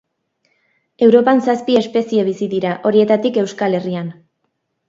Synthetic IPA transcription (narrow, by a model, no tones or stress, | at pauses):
e̞wɾo̞pansaspie̞spe̞sie̞β̞isiðiɾaʔo̞ɾie̞t̪at̪ike̞wskale̞rian